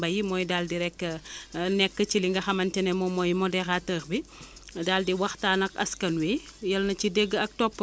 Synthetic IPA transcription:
bɐjimɔːjdaldiɾɛkːənɛkːət͡ʃiliŋɡɐxɐmɐntɛnɛmɔmɔːjmɔdɛxatəːxbidaːldiwɐxtaːnɐkɐ̰skɐnwijɐlnɐcideɡːəɐk̚tɔpː

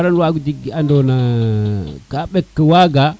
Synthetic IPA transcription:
ɾanwaɡudiɡiandona | kaɓekːəwaɡa

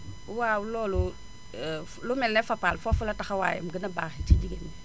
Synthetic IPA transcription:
wawulɔːlu | lumɛlnɛfapalfafulɐtaxɐwa̰ːjɛ̰mɡənɐbaːxitiɟiɡeni

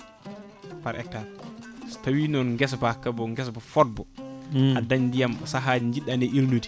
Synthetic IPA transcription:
paɾʔɛ̰k̚tːastawinɔnŋɡɛsbakːabɔŋɡɛsbɔfɔt̚bɔadaɲdijamsaɦaɲd͡ʒiɗanɛʔiɾduti̥

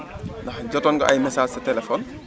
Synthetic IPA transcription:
ndɐxɟɔtɔnɡɔ̰ʔɐjmɛsaːsɐtɛlɛfɔːn

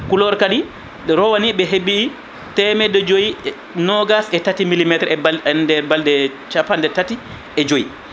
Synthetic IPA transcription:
kulɔɾkaɗi | ɾɔwaniɓɛɦebːiː | tɛmɛdɔd͡ʒoji | nɔɡasɛtatimilimɛtɾɛɛndɛɾbaldɛt͡ʃapandɛtati | ʔɛd͡ʒoji

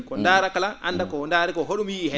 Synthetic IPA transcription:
kɔndaːɾakalaʔa̰ndakɔndaːɾɛkɔɦoɗumiːɦɛ

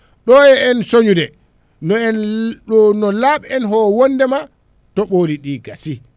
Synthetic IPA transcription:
ɗɔjɛɛnsoɲudɛ | ɔnɔnɔlaːɓɛɛnɦɔwonːdɛma | tɔɓoːliɗiːɡasi

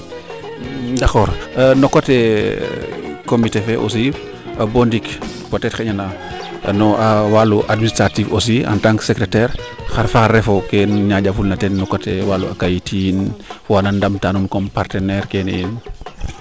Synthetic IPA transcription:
dakɔːɾnɔkote | komitefeʔo̰si | abondik | potɛtxeɲana | nɔʔawaluʔadministɾatifos̬ia̰ntaŋksekɾetɛɾxaɾfaxaɾɛfokɛnɲaɟafulnatɛnːɔkotewaluakajitʰijinfɔanandamtanunkompaɾtɛnɛɾkenḭjin

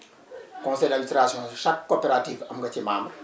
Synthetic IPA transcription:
kɔ̃nsɛjlamist̪ɾasjɔ̃ʃakːopeɾat̪ivamŋɡat̪emambɾə̥

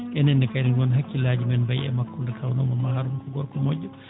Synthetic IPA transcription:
ʔɛnɛndɛkaninwɔnɦakːilaːd͡ʒimɛnbajɛ̰makːundɛkʰawnɔmɔmaɾumkɔɡɔɾkɔmɔɟːɔ

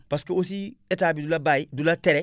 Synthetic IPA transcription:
pɐskeosiʔɛtaːbidulɐbaidulatɛɾɛ

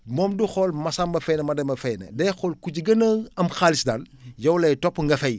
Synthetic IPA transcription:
mɔːmduxɔlmɐsambɐfɛːnɛmɐdɛmɐfɛjnɛ̰dɛxɔlkuɟiɡɐnɐɐmxaːlisdaljɔwlɐjtɔpːŋɡɐfɛj

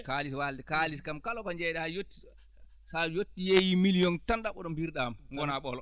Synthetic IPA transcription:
kaliswaldɛkaliskamkalɔkɔɲd͡ʒɛjɗajotːi̥ | sajotːijejimilijɔntanɗaɓɔɗɔmbiɾɗamŋɡɔnaɓɔlɔ

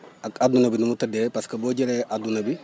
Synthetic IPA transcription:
akadunɐbinumutadepaskaboɟeɾeʔadunɐbi

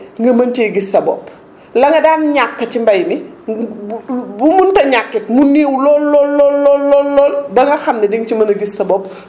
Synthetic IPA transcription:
ŋɡɐmɐntijɡisɐbɔ̰pː | lɐŋɡɐdaːnɲakːɐt͡ʃimbɐjmi | bumuntɐɲakːit̚muniːwlɔːlːɔlːɔːlːɔːlːɔlːɔːlbɐŋɡɐxɐmnɛdiŋt͡ʃimɐnɐɡisɐbɔp̚

